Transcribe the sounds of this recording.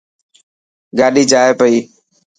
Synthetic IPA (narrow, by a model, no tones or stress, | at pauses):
ɡaːɗiːd͡ʒaːeːpəiː